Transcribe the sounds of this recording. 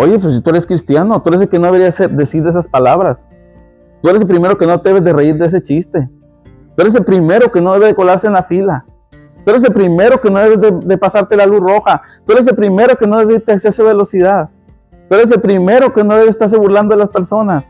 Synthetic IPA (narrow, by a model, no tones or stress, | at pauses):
o̞ʝepeos̬it̪ue̞ɾeskɾist̪jano̞t̪ueɾes̬eke̞no̞ðeeɾijaseɾd̪e̞siɾðeesaspalaβɾas | t̪ueɾeselpɾime̞ɾo̞ke̞no̞t̪eeβe̞zðe̞reiɾd̪ees̬e̞t͡ʃist̪e̞ | t̪ue̞ɾe̞s̬elpɾime̞ɾo̞ke̞no̞ðeðekolaɾseːnlafila | t̪ue̞ɾe̞s̬e̞lpɾime̞ɾo̞kenoðe̞βe̞zðed̪e̞pasaɾt̪e̞lalusroxa | t̪ueɾe̞s̬e̞lpɾime̞ɾo̞ke̞no̞ðeiɾt̪eksesoβelo̞siðað | t̪ue̞ɾes̬elpɾime̞ɾo̞ke̞no̞ðeβest̪aɾs̬e̞βuɾland̪oelaspe̞ɾso̞nas